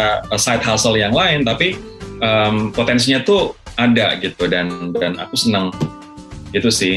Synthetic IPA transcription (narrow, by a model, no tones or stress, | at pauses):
aəsajt̪̚hasəljaŋlaɪnt̪api | ʔəmpot̪ɛns̬iɲat̪uʔadaɡit̪udandanʔa̰kusənəŋ | ɡit̪usɪ